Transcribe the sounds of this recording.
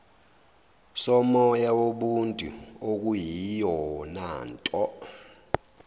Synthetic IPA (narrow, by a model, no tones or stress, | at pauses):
sɔmɔjawoɓuntʼṵok̬ʼujijɔnaːntʼɔ